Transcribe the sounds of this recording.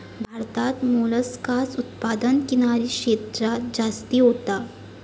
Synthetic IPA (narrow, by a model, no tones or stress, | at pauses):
bʱaɾt̪at̪muləskasut̪pad̪ənkinaɾikʂeːt̪ɾad͡ʑast̪iɦot̪a